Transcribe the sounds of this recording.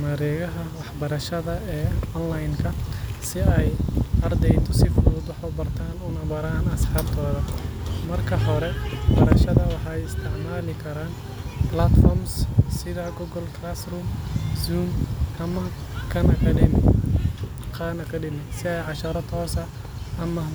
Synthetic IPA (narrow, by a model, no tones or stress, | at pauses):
mɐɾɛːɣɐɦɐwɑħbɐɾɐʃɐðɐɛːɔnlajnkʰɐsɪɛjɐrd̪ɛjt̪ʰɔsɪfuːd̪wɑħbɐbɐrt̪ʰaːnʊnɐβɐɾaːnɐsħɑːbt̪ʰɔːðɐmɐrkʰɐɦɔɾɛwɑħbɐɾɐʃɐðɐwɑħɑːɛjɪst̪ʰɪʕmaːlɪkʰɐɾaːn | blat̪fɔmssɪðɐɡɔɡɔlkʰlasruːmzuːmɐmɐ | kʰɐnɐkʰɐɖɪm | qʰaːnɐkʰɐɖɪnɪsɪɛjʕɑʃɐɾɐt̪ʰɔːsɐ | ɐmɐ